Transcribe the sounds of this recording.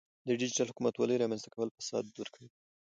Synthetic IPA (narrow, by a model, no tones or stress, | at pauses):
d̪əɖɪd͡ʒiʈalɦʊkumat̪wɑləjɾɑmanst̪ḁkawəlfḁsɑ̰d̪ːuɾkʰawi